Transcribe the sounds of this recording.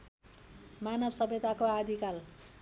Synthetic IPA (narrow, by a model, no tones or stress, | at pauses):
manʌbsʌbʱet̪akoad̪ʱikal